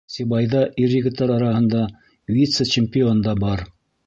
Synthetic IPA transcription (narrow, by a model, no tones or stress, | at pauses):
sʲibɑjðɑʔiɾʲːɘ̆ɡɘ̆t̪ːɑɾɑɾɑhɤ̆nd̪ɑ | vʲit̪sət͡ɕɪmʲpʲɪond̪ɑbɑɾ